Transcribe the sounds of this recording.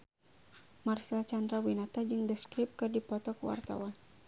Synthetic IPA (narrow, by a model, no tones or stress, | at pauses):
marsilat͡ʃandɾawinat̪ad͡ʒɨŋdəskɾip̚kɨrdipɔt̪ɔkuwa̰rt̪a̰wan